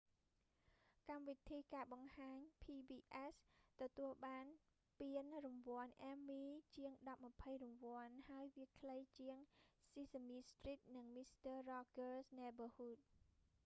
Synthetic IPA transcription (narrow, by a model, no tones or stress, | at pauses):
kamʋit̪ʰiːkaːɓɑŋhaːɲpʰiːbiːʔɛst̪ɔt̪uəlɓaːn | piənrumʋŏənʔɛːmːiːt͡ɕiəŋɗɑp̚mapʰəjrumʋŏənhaəjʋiəkʰləjt͡ɕiəŋsiːsəmiːst̪rit̪̚nɨŋmist̪əːrɑːkəːsnɛbəːhuːt̪̚